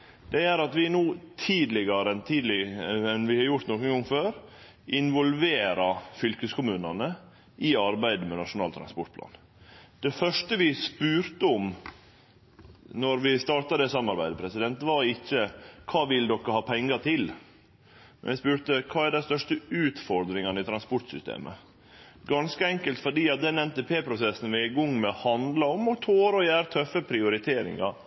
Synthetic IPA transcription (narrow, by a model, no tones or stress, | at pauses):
d̪̥ɛæɾɑt̪ʋɪnuːt̪ʰiːd̪lɪɡɑɾəɛnt̪ʰiːd̪lɪɛnʋɪhɑɾjʊʈ̪nɔkənŋɡɔŋføːɾ | ʔɪnʋɔlʋeːɾɑfʏlkəskʰʊmʉːnɑnə | ʔɪɑɾbæɪd̪əmɛnɑʂʊnɑːlt̪ʰɾɑ̰nspɔʈ̚pʰlɑ̰ːn | d̪̥ɛfœʂʈəʋɪspʉːɾt̪əɔm | nɔɾʋɪst̪ɑːɾʈ̪ɑd̪ɛsɑmːɑɾbæɪd̪əpʰɾɛsɪd̪ɛnt̪ʋɑɾɪçːəkʰɑːʋɪld̪ɔkːəhɑːpʰɛŋːɑt̪ʰɪl | mɛ̰nʋɪspʉːɾt̪əkʰɑːæɖæɪst̪œʂʈəʉːt̪fɔɾd̪ɾɪŋɑnəɪt̪ʰɾɑnspɔʈsʏst̪ḛːmʔə̰ | ɡɑnskəɛŋkəlt̪fɔɖiːɑt̪̚d̪ɛnɛnt̪eːpʰeːpʰɾʊsɛsn̩ʋɪɪɡɔŋːmɛhɑnd̪lɑɔmɔt̪ʰoːɾɔjæːɾt̪ʰœfːəpʰɾɪʊɾɪt̪ʰeːɾɪ̰ŋɑɾ